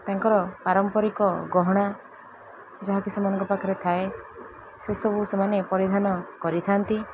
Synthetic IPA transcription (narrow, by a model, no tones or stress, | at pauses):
t̪aŋkɔɾɔpaɾɔmpɔɾikɔɡɔɦɔɽ̃a | d͡ʒɔɦakisamanɔ̃ŋkɔpakʰɔɾet̪ʰae | sesɔbʱusemanepɔɾid̪ʱanɔkɔɾit̪ʰant̪i